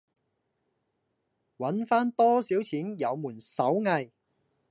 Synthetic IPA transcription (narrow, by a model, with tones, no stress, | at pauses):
wɐ˨˥nfaː˥nt̪ɔː˥siː˨˥wt͡sʰiː˨˥njɐ˨˧wmuː˨˩nsɐ˨˥wŋɐ˧j